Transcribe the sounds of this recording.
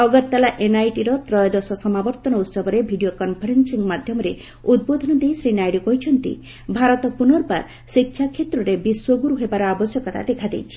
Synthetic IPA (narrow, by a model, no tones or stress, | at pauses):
ɔɡɔɾt̪alaʔenajʈiɾɔt̪ɾɔjɔd̪ɔsɔsɔmabɔɾt̪ɔnɔut̪sɔbɔɾebʱiɖiokɔnpʰɔɾensiŋmad̪ʱjɔmɔɾe | ud̪̚bod̪ʱɔnɔd̪ejsɾinajɖikɔɦit͡ʃʰɔnt̪ḭ | bʱaɾɔt̪ɔpunɔɾpa̰ɾ | sikʰːjakʰet̪ɾɔɾebiswɔɡuɾuɦebaɾɔabɔsjɔkɔt̪a̰d̪ekʰad̪ḛjt͡ʃʰi̥